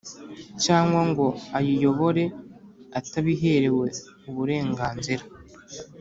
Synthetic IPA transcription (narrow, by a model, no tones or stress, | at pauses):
caːŋɡwaŋɡo̞ajijo̞βo̞ɾe̞ataβiɦe̞ɾe̞we̞ | uβuɾe̞ːŋɡaːnziɾa